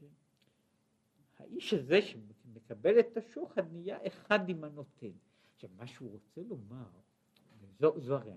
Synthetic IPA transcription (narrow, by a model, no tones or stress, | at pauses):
ha̰ʔiʃhaze̞ʃemekabe̞let̪ːaʃoχhad̪nijaʔeχad̪imano̞t̪ʰe̞n | aχʃavmaʃeuʁo̞t͡selo̞maʁ | ezozoaʁea